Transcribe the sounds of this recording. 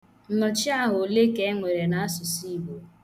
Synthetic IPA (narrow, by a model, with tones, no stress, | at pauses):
n̩˦nɔ˨t͡ʃi˦a˦˨ɦʊ˨le˦ke˨˦ŋʷe˨ɾe˨na˦sʊ˨si˦˨bo˨